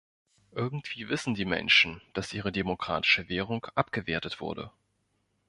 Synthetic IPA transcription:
ʔɪɐɡŋ̩tv̥iːvɪsn̩diːmɛ̰nʃn̩d̥asʔiːʁ̞ədemokʁ̥a̰ːtɪ̥ʃəveːʁ̞ʊŋkʔapɡ̥əveːɐtətv̥ʊ̰ɐdə̰

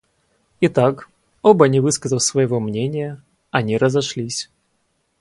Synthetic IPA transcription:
it̪ak | obənʲɪvɨskəzəlˠsvəjɪvomnʲenʲɪjə | ɐnʲiɾəzɐʂlʲisʲ

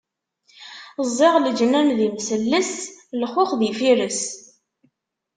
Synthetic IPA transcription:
zˤːɪʁləd͡ʒnænðimsəlːəslχʊχðifiɾəs

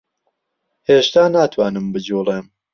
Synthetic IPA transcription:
heːʃt̪aːnaːt̪ʰwaːnɨmbɨd͡ʒuːlˠeːm

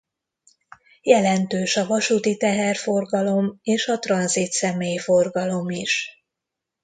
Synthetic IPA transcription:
jɛlɛnt̪øːʃɒvɒʃuːt̪it̪ɛɦɛrfo̞rɡɒlo̞meːʃɒt̪rɒnzit̪sɛmeːjifo̞rɡɒlo̞miʃ

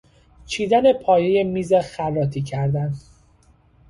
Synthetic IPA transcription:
t͡ʃʰiːd̪æne̞pʰɒːjeje̞miːzexærːɒːt̪ʰiːcʰæɾd̪æn

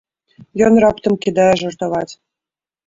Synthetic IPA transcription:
jonrɑpt̪ɤ̆mkid̪ɑʒɤ̆rt̪ɤ̆βɑt̪ʲ

